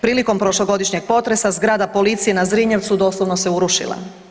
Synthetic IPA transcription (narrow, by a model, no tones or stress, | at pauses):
pɾiːliko̞mpɾo̞ʃlˠoɡo̞d̪iʃɲeɡ̥̚po̞t̪ɾe̞sazɡɾaːd̪apo̞lit̪sijenazɾiɲeʋt̪sud̪o̞ːslˠoʋno̞se̞uɾuʃḭla̰